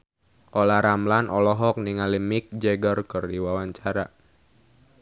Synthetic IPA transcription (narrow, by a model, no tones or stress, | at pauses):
ʔolaɾamlanʔɔlɔɦɔk̚niŋalimik̚d͡ʒɛɡərkɨrdiwawaɲt͡ʃaɾa̰